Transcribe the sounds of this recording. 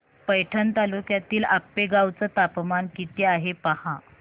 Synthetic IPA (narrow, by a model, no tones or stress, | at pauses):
pəjʈʰənt̪alukjat̪iːlapːeɡawt͡sət̪apmankit̪iaɦepahã